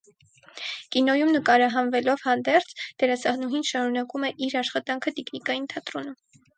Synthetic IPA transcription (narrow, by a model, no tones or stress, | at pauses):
kinɔjumnəkɑɾɑɦɑnvɛlɔvhɑnd̪ɛɾt͡sʰd̪̥ɛɾɑsɑhnuɦinʃɑɾunɑkumɛʔiɾɑʃχɑt̪ɑŋkʰət̪ɛknikɑjint̪ʰɑt̪ɾɔnə